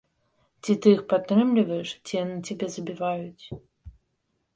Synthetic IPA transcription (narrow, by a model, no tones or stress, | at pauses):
t͡sʲit̪ɨjixpat̪ːɾɨmlʲivɐjɛʂt͡sʲijanɨt͡sʲabʲɛzɐbʲivajut͡sʲ